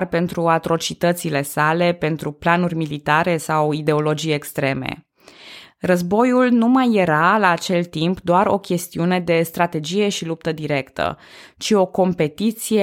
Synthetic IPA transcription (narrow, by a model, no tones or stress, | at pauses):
rpe̞nt̪ɾuat̪ɾo̞t͡ʃit̪ət̪sile̞sale̞pe̞nt̪ɾuplanurʲmilit̪aɾe̞sawid̪e̞o̞lo̞d͡ʒijekst̪ɾe̞me̞̰ | rəzbo̞julnumajːe̞ɾalaːt͡ʃe̞lt̪impd̪oaɾo̞̰kʲe̞st̪iune̞d̪e̞st̪ɾat̪e̞d͡ʒije̞ʃilup̚t̪əd̪iɾe̞kt̪ə̰t͡ʃio̞ko̞mpe̞t̪it̪sije